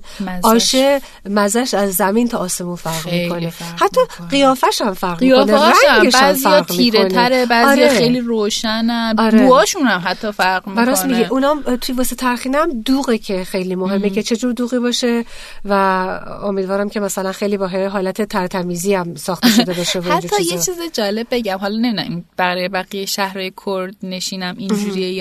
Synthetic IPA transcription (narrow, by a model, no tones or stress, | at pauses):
ɒːʃe | mæzæʃæzːæmiːnt̪ʰɒʔːse̞munfæɾʁmikʰo̞nehæt̪ʰːɒː | ɢijɒːfæʃæmfæɾʁmioneɾæŋɟeæzifæɒɾʁmiːkɾoneɾebæːzɒːɾijɒxejliɾoːʃænænɒːɾebuɒːʃunæmɦæt̪ʰːɒfæɾɣmibæɾɔsmiɡiʔunɒːmt̪ʰujevɒːset̪ʰæɾxiːneæmd̪uːɣecʰe̞xe̞jliːmo̞ɦemːecʰe̞t͡ʃʰe̞d͡ʒuːɾd̪uːɣiːbɒːʃe | væomid̪vɒːɾæmcʰʲe̞mæsælænxejliːbɒːɦeɦɒːlæt̪ʰe̞t̪ʰæɾt̪ʰæmiːziːæmsɒːxt̪eʃd̪ebeʃevohætd͡ʒuːjet͡ʃʰiːzed͡ʒɒːle̞b̚ːe̞ɟæmɦɒlɒne̞miːd̪æminb̥æɣiɾebæɣijeʃæhɾɒːjekʰoɾd̪neʃiːnæmind͡ʒuɾie